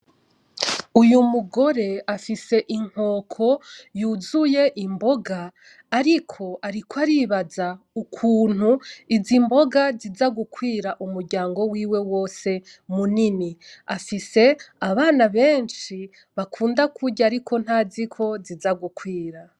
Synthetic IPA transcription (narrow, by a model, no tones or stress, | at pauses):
ujumuɡo̞ɾe̞afise̞ʔiŋ̥ho̞ːkʰo̞juːzuje̞ʔimbo̞ɡaː | ɾikʰo̞aɾikwaɾiβaza | ukʰuːn̥huizimbo̞ɡazizaɡukwiːɾaʔumuɾɡɟaːŋɡo̞wiːwe̞wo̞ːse̞ | muniniafise̞aβaːnaβeːnʃi | βakʰuːndakʰuɟaɾikʰo̞n̥hazikʰo̞zizaɡukwiːɾa